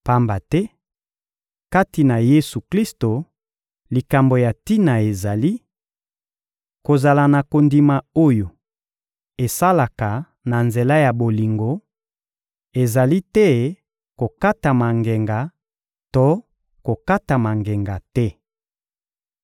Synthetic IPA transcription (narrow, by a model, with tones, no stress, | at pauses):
pa˦mba˨tɛ˦ | ka˦ti˨na˨je˦su˨kli˦sto˨ | li˨ka˨mbo˨ja˨ti˦na˨e˨za˨li˦ | ko˨za˨la˨na˨ko˨ndi˨ma˨o˦jo˨ | e˨sa˦la˨ka˨ | na˨nze˨la˦ja˨bo˨li˨ŋɡo˨ | e˨za˨li˦tɛ˦ | ko˨ka˦ta˨ma˨ŋɡe˨ŋɡa˨ | to˦ | ko˨ka˦ta˨ma˨ŋɡe˨ŋɡa˨tɛ˦